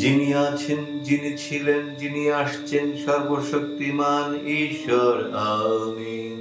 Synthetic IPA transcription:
d͡ʑiniat͡ɕʰend͡ʑinit͡ɕʰilend͡ʑiniaʃt͡ɕʰenʃɔɾboʃok̚t̪imaniʃoɾaːmi

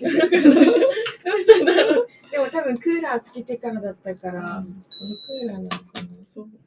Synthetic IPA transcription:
atat̪a | d̪e̞mo̞t̪abɯ̟̃ŋkɯːɾaːt͡sɨ̥kʲit̪etanod̪at̪ːakaɾasokɯːɾanamokanoso

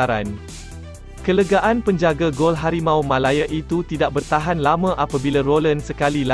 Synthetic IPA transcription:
aɾan | kələɡaʔanpəɲd͡ʒaɡaɡolɦaɾimãwmãlajaʔit̪ut̪idaʔ̚bərt̪aɦanlamãʔapabilarolənsəkalila

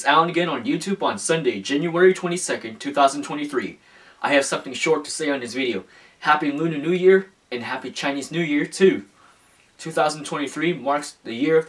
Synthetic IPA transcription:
sãʊ̃nɨɡɛ̃ñə̃njʉtʰʉb̃n̩sʌ̃ndeɪd͡ʒæ̃njuɛɹitʰw̥ɛ̃ɾ̃isɛkɨ̃ntʰʉθaʊzn̩tʰw̥ɛ̃ɾ̃iθɹḭ | ʔaɪɨv̥sʌ̃mθɪ̃ŋʃɔɹtʰɨ̥seɪɨ̃nðɨsvɪɾioʊ | hæpiɨ̃nlʉ̃nɨnʉjɪɹ | ɨ̃nɦæpit͡ʃʰãɪ̃niznʉjɪɹtʰʉ | tʰʉθaʊz̃n̩tʰwɛ̃ɾ̃iθɹimɑɹksðɨjɪɹʌ

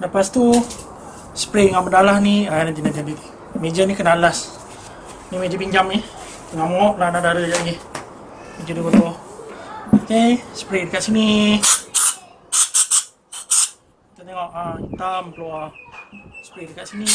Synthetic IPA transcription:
ləpast̪u | sə̥pɾeŋaʔmədalahnianat̪inat̪iaditi | med͡ʒənikənalas | nimed͡ʒəbiɲd͡ʒamni | əŋamɔʔlahnadaɾəd͡ʒaʔŋi | med͡ʒədubət̪ɔ | okesə̥pɾedəkaʔ̪sini | t̪at̪eŋɔʔəit̪ampəla | sə̥pɾedəkaʔsini

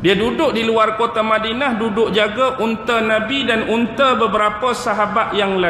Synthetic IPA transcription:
diadudʊʔ̚diluarkot̪amãdinahdudʊk̚d͡ʒaɡaʔunt̪ənãbidanunt̪əbəbəɾapəsaɦabat̪̚jaŋla

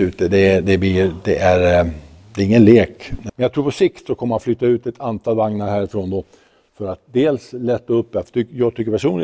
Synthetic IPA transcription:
ʉ̟ːt̪əd̪ɛd̪ɛb̪id̪ɛʔæɾ | d̪ɛːɾɪŋːənleːkmɛnjaɡt̪ʰɾuːpʰɔsɪkt̪sɔkʰɔmːəhanflyːt̪ːaʉ̟ːt̪ɛt̪ʰant̪ʰɑːlvaŋnaɾhæːɾɪfɾoːnd̪ɔ | fœɾat̪̚d̪eːlslɛt̪ːaɵpːɛft̪ʰʏjɑːɡ̚t̪ʰʏkːəɾpʰæʂuːnlɪ

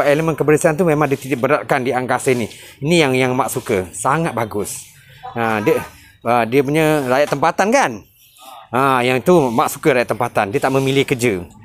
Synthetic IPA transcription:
aeləmə̃nkəbəɾəsiant̪̬umẽmãŋdiət̪idaʔ̚bəɾat̪̚kandiaŋkasainiinĩjaŋjaŋmaʔsukəsaŋat̪̚baɡʊs | ədə | ədiəp̬uɲə̃ɾajat̪ːəmpat̪ankan | ə̃jaŋit̪umaʔsu̥kəɾajat̪̚əmpat̪andiət̪aʔmə̃milɪhkəd͡ʒə

